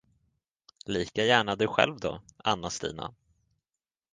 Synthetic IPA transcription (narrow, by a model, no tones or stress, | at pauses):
liːkajæːɳad̪ɵɧɛ̰lvd̪ɔanːast̪ḭːna̰